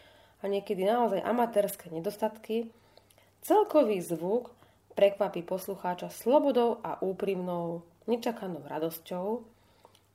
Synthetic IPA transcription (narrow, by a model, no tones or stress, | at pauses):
aɲɪɛkɛd̪inaɔzajʔa̰mat̪ɛːɾskɛːɲɛd̪ɔst̪at̪ki | t͡sɛlkɔʋiːzʋuk | pɾɛkʋapiːpɔsluxaːt͡ʃaslɔbɔd̪ɔʊa̰ʔuːpɾimnɔʊ | ɲɛt͡ʃakanɔʊɾad̪ɔscɔʊ